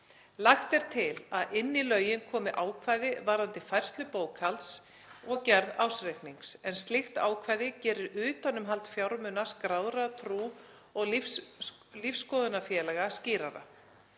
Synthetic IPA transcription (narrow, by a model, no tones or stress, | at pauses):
laxt̪ɛɾ̥t̪ʰɪlaðɪnːilœːɥjɪnkʰɔːmɪʔaːwkʰvaːjðɪvaɾant̪ɪfajr̥st̪lʏpoːwkʰalt̪s | ɔɣcɛɾðaːwsɾejkniŋksɛnst̪lɪxt̪a̰ːwkʰvaːjðɪcɛːɾɪɾʏːt̪anʏmɦalt̪fjawɾmʏnaskɾaːwðɾat̪ʰɾuː | ɔɣ | lifsːkɔðʏnafjɛːlɛɣasciːɾaɾa̰